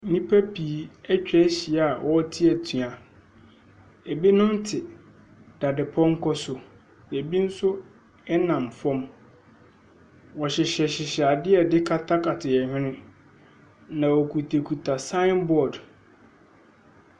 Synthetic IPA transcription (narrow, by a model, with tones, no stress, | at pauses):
n̩˦nĩ˦pʰa˦pʰi˨˦ɛ˦t͡ɕᶣɛ˦ɕi˨˦a˨wʔɔ˦tʰɪ˦ɛ˨tʰɥa˨ | e˨bi˦nʊ̃˦n̩˦tʰɪ˨ | d̥a˨dɪ˨pʰɔ̃˦ŋ̩˦kʰɔ˦sʊ˨ | ne˨bi˦n̩˦sʊ˦ | ɛ˦nã˨mfɔ̃˦m | wɔ˨ɕɪ˨ɕɛ˨ɕɪ˨ɕa˨dɪ˦ɛ˨dɪ˦kʰa˦tʰa˦kʰa˨tʰɪ˨jɛ˨hᶣɪ̃˦nɪ̃˦ | nã˨wɔ˨kʰu˨tʰe˨kʰu˨tʰa˨sã˦ɪ̃˦nbɔ˦˨d